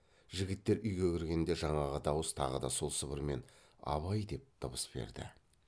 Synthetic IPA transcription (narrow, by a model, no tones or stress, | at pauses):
ʒɪɡʲɪt̪ːe̞ɾʔʏjɡʲekʲʰɪɾɡʲe̞nd̪e̞ʒɑɴɑʁɑd̪ɑwəst̪ʰɑ̰ʁəd̪ɑso̞lˠsəbəɾme̞n | ɑ̰βɑjd̪e̞p̚t̪ʰəbəsbe̞̰ɾd̪ɪ̰